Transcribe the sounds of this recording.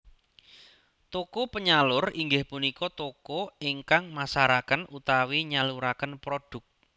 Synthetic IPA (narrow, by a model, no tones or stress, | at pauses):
t̪okopəɲalʊriŋɡɪhpunikɔt̪okoiŋkaŋmasaɾakənʔut̪awiɲaluɾakənpɾoɖ̥ʊk̚